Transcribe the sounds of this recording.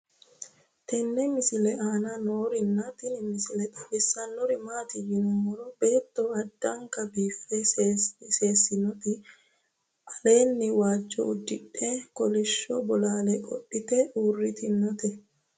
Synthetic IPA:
t̪ɛnːɛmɪsɪlɛʔaːnɐnoːɾɪnːat̪ɪnɪmɪsɪlɛt̪ʼɐbɛsːɐnːɔɾɪmaːt̪ɪjɪnʊmːɔɾɔbe̞ːt̪ːɔɐd̪ːɐŋkɐbiːfːɛsse̞ːsːɪnɔt̪ɪ | ʔɐle̞ːnːɪwaːd͡ʒːɔ̰ʊd̪ːɪᶑːɛkɔlɪʃːɔbɔlaːlɛkʼɔ̰ʔːɪt̪ɛʔuːrːɪt̪ɪnɔt̪ɛ

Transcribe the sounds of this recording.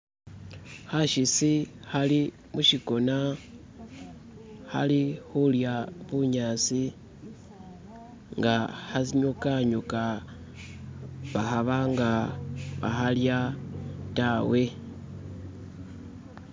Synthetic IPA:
haʃisihali | muʃiko̞na | ha̰lixuljaβuɲaːt͡si | ŋɡahasiɲukaɲuka | βahaβaŋɡaβa̰halja | tawe̞

